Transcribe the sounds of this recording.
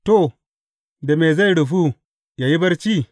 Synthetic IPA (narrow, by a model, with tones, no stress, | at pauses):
to˦˨ | da˨me˨za˦jɽu˨fu˦ | ja˨ji˦bɐ˦ɾt͡ʃi˦